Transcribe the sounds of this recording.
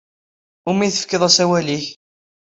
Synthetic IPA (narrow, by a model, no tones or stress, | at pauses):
ʊmiθəfkəðˤæsæwæliç